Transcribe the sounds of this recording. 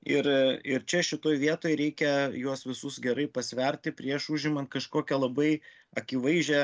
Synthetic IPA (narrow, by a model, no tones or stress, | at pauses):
ɪɾɪɾt͡ʃʲɛʃʲɪt̪oːjʋʲiɛt̪oːjɾʲɛɪkʲɛjuɔsʋʲɪsʊsɡʲɛɾɐɪpɐsʲʋʲɛɾʲt̪ʲɪpʲɾʲiɛʃuʒʲɪmɐnt̪kɐʃkoːkʲɛlˠɐbɐɪ | ɐkʲiʋɐɪʒʲɛ